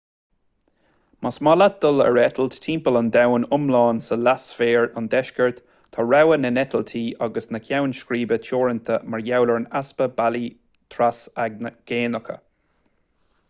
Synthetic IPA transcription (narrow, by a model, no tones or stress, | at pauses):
masmɔlat̪̚d̪ʊlə̰ɹɛt̪ʰəlt̪tʰiːmpələnd̪awnʊmlɑːnsəlasfeːɹand̪ɛʃkəɹt̪ʰː | ɔɹawənənɛt̪ʰəlt̪ʰiːʔaɡəsnəkʰjawnʃkɾiːbət͡ʃʰɔːɹənt̪ʰəmaɹjawləɹnaspəbali | t̪ʰɾasaɡɡ̥eːnəkʰə̰